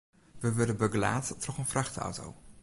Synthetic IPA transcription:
ʋəʋʏdəbəɡəla̰ːttrɔχənfraχta̰wto̰w

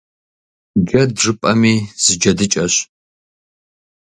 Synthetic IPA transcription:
ɡɐdʐɨpʼɐmiːz̥ɨd͡ʒɐdɨt͡ʃʼɐɕ

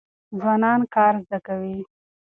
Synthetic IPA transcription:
zwɑnɑnkɑɾzd̪akawi

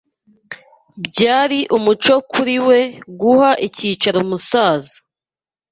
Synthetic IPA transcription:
bɟaːɾiʔumut͡ʃo̞kʰuɾiwe̞ɡuhaʔiciːt͡ʃaɾomusaːzḁ

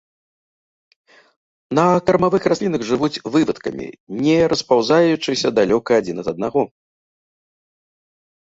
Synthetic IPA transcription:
nɐkɐrmavɨxrasʲlʲinɐɣʐɨvut͡sʲvɨvɐt̪kɐ̰mʲḭnʲɛɾɐspawzajut͡ʂɨsʲɐd̪alʲɔkɐːd͡zʲinɐt̪ɐd̪̚naɣɔ

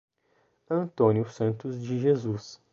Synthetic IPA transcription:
ɐ̃nt̪õnjʊsɐ̃nt̪ʊzd͡ʒɪʒezus

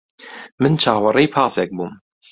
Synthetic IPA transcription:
mɪnt͡ʃʰaːwɑrˤiːpʰɑːsɛk̚bum

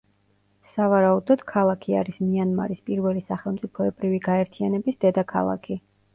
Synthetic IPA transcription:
savaɾaud̪ɔd̪̥kʰalˠakʰia̰ɾismianma̰ɾispʼiɾvɛlisaχɛlˠmt̪ʼipʰɔɛbɾiviɡaɛɾt̪ʰianɛbisd̪ɛd̪akʰa̰lˠa̰kʰi

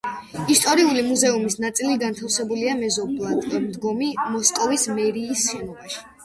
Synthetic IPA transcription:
ist̪ʼɔɾiulimuzɛumisnat̪sʼiliɡant̪ʰafsɛbuliamɛzɔblˠat̪ʼmd̪ɡɔmimɔskʼɔvismɛɾiːsʃɛnɔbaʃi̥

